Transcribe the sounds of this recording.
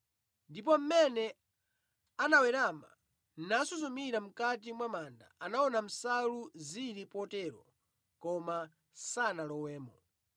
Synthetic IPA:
ndip̬ɔm̩mɛnɛ | anawɛɾama̰ | n̩nasuzumiɾam̩katimwamaːnda̰anaɔnam̩saluziɾipɔtɛɾɔ̰ | kɔma | sanalɔwɛːmɔ

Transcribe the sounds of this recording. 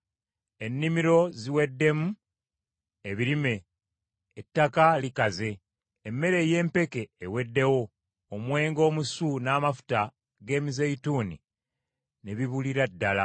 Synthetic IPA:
e̞nːimiɾo̞ziwe̞dːe̞mu | eβiɾime̞ː | tːakalikaze̞ː | mːe̞ɾe̞je̞ːmpe̞ke̞ːwe̞dːe̞wo̞ː | mwe̞ːŋɡo̞ːmusunaːmafu̥ta | ɡe̞ːmizeituːnḭ | neβiβuliɾadːala

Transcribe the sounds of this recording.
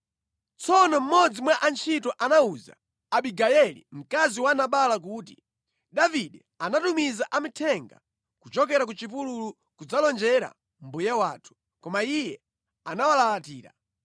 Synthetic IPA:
t͡sɔnɔm̩mɔd͡zimwaʔant͡ʃʰitɔʔanauza̰ː | ɓiɡajɛlḭm̩kaziwanaɓalak̬uːt̬i | ɗaviɗɛ | anatumizaʔamitʰɛŋɡa̰ | kut͡ʃɔk̬ɛɾak̬ut͡ʃipululu | kud͡zalɔnd͡ʒɛɾa̰ | m̩bujawaːtʰu̥ | kɔmaijɛ | anawalalatiːɾa̰

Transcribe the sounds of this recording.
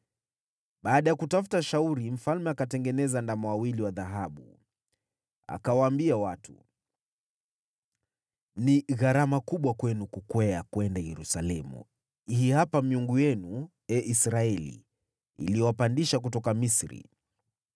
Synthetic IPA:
ɓaːɗajakutafu̥taʃauɾim̩falmɛakatɛŋɡɛnɛzandamɔwawiliwaðaɦaɓṵ | a̰kawaːmbiawatʰu | niɣaɾamakuɓwakwɛnukukwɛakuɛndajɛɾusalɛmṵ | ihihapamiuŋɡujɛnu | ɛʔisɾaɛlḭː | liɔwapandiʃak̬utɔkamisɾḭ

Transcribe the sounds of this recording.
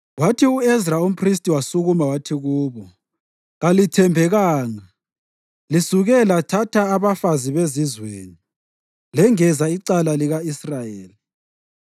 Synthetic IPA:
watʰiuɛzraum̩pʰris̬tʼiwasuɣumawatʰiɣuːβɔ | ɣalitʰɛmbʱɛɣaːŋa | lisuɣɛlatʰatʰaːβafaziβezizweːni | lɛŋɛzaiǀalaliɣaisrajeːli

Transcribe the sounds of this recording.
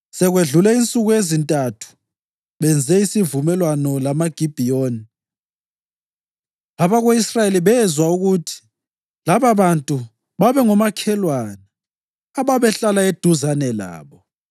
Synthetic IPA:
sɛɣweɮulɛint͡sʼuɣujezintʼatʰu̥ | βɛnd͡zʱɛisivumɛlwanɔlamaɡ̥ʱib̥ʱijoːni | aβaɣoisrajeliβɛzwauɣutʰi̥ | laβaβantʼu | βaβɛŋɔmakʰɛlwanaː | βaβɛɬalaed̥ʱuzanɛla̰ːβɔ

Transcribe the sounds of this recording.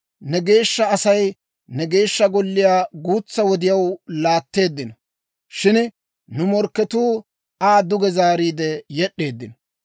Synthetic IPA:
nɛɡe̞ːʃːɐɐsɐj | nɛɡe̞ːʃːɐɡɔlːɪjaːɡuːt͡sːɐwɔd̪ɪjɐwlaːt̪ːe̞ːd̪ːɪnɔ | ʃɪn | nʊmɔɾkːɛt̪uː | aːd̪ʊɡɛzaːɾiːd̪ɛjɛɗːe̞ːd̪ːɪnɔ

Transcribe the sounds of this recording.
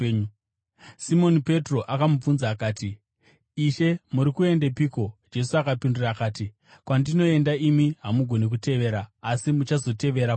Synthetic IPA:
simo̞nipe̞tro̞ʔakamub͡vunzaːkaːtiː | ʃe̞muɾikue̞nde̞piːko̞d͡ʒe̞suakapindurakaːti | kwandino̞e̞ndaimiɦamuɡʱo̞nek̬ute̞ʋeɾaːsimut͡ʃazo̞te̞ʋe̞ɾa

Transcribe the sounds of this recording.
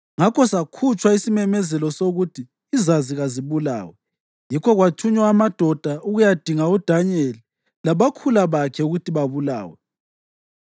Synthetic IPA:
ŋakɔsakʰut͡ʃʼwaisimɛmɛzɛlɔsoɣutʰiː | zaziɣaziβula̰ːwɛ | jikʰɔɣwat͡ʃʰuɲwaamad̥ʱɔd̥ʱauɣujad̥ʱiŋaud̥ʱanɛli | laβakʰulaβakʰɛuɣutiβaβula̰ːwɛ

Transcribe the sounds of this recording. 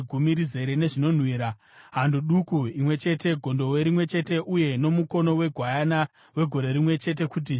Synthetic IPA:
ɡʱumiɾize̞ɾene̞ʐino̞n̤wiːɾa | ɦanduɗukuimwe̞t͡ʃe̞te̞ɡʱo̞ndo̞weɾimwe̞t͡ʃe̞te̞ʔuje̞no̞muko̞no̞we̞ɡʱwajana | we̞ɡʱo̞ɾe̞ɾimwe̞t͡ʃe̞t̬e̞kut̬i

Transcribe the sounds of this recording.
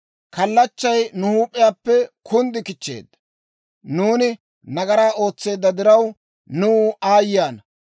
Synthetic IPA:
kɐlːɐt͡ʃːɐjnʊhuːpʼːɪjaːpːɛkʰʊnd̪ɪkɪt͡ʃːḛːd̪ːɐ | nuːnɪ | nɐɡɐɾaːʔo̞ːt͡sːe̞ːd̪ːɐd̪ɪɾɐw | nuaːjjaːnɐ

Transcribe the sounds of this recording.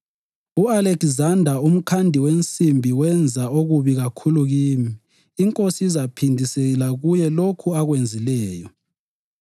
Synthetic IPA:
ualekzandʱaum̩kʰandʱiwent͡sʼimbʱiwɛnd͡zʱaoɣuβiɣakʰuluɣiːmiː | ŋkʼosiizapʰindʱiseɣlaɣujɛlokʰuaɣwend͡zʱilɛːjɔ

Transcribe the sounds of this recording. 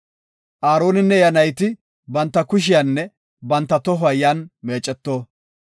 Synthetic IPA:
ʔaːɾo̞ːnɪnːɛjɐnɐjt̪ɪ | bɐnt̪ːɐkʊʃ̬ɪjɐnːɛ | bɐnt̪ːɐt̪ɔɦɐjjanme̞ːt͡ʃʼɛt̪ːoː

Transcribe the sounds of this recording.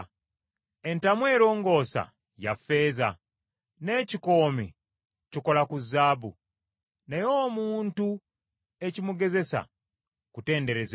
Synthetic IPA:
e̞ntamwe̞ːɾo̞ːŋɡo̞ːsa̰ | ja̰fːe̞ːza̰ | ne̞ːciko̞ːmḭ | ciko̞lakuzːaːbu | nejoːmuːntu | e̞cimuɡe̞ze̞sa̰ | kute̞ːnde̞ɾe̞z

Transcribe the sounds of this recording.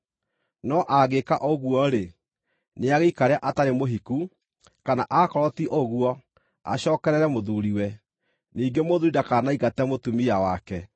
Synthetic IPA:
nɔʔaɣekaʔoɣwɔɾe | neaɣeikaɾeaʔataɾemoɦiku | kanaʔakɔɾɔtiʔoɣuɔ | a̰ɕɔːkɛɾɛɾɛmoðuɾiwɛ | niːɡemoðuidakaːnaiɣatɛmotumijawakɛ

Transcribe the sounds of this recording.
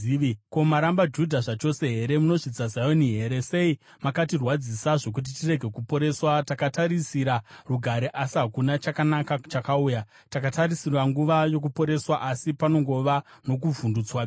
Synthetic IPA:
ko̞maɾambad͡ʒudʱaʐat͡ʃo̞se̞ɦe̞ɾe̞muno̞ʐid͡zazajoniɦe̞ːɾe̞se̞i | makatirwad͡zisaʐo̞k̬ut̬itire̞ɡʱe̞kupo̞ɾe̞swatakataɾisiɾaruɡʱaɾeʔasiɦakunat͡ʃakanakat͡ʃakauːja | takatarisirwaŋɡuʋajo̞k̬upo̞ɾe̞swaʔasipano̞ŋɡo̞ʋano̞kuvundut͡swa

